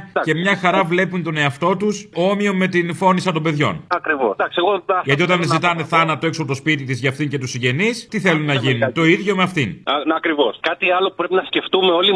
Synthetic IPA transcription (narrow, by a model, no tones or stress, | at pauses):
ce̞mɲɐxɐɾɐvle̞punt̪o̞ne̞ɐft̪o̞t̪usomio̞mːe̞t̪info̞nisɐt̪o̞mbe̞ðʝo̞̰nɐkɾivod̪ɐksieɣoʝɐt̪iot̪ɐnzit̪ɐneθɐnɐt̪t̪oe̞ksopot̪spit̪it̪izʝɐft̪iɲce̞t̪usiɲɟe̞nist̪iθe̞lunːɐʝinunt̪o̞iðʝo̞meɐft̪inɐkɾivo̞skɐt̪iɐlo̞pupɾepinɐsce̞ft̪ume̞o̞li